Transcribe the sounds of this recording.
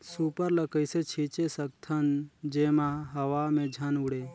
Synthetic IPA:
supəɾləkəjset͡ʃʰit͡ʃesək̚t̪ʰənd͡ʒemaɦəʋamẽd͡ʒʱənuɽe

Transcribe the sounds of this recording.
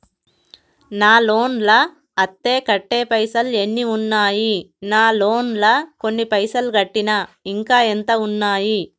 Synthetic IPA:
naːlo̞ːnlɐː | t̪ːe̞ːkɐʈːeːpɐjsɐle̞nːiunːaːjinaːlo̞ːnlɐko̞nːipɐjsɐlɡɐʈːinɐiŋkaːent̪ɐunːaːji

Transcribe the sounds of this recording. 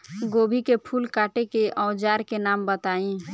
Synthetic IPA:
ɡoːbʱikepʰulkaʈekeʔɔ̃ʊd͡ʒaːɾkenaːmbət̪aĩ

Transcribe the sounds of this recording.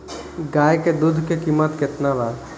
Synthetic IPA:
ɡaːjked̪ud̪ʱkekimət̪kɪt̪nabaɾ

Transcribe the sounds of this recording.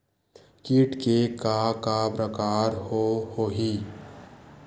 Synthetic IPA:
kiːʈkekakapɾəkaːɾhohoɦi

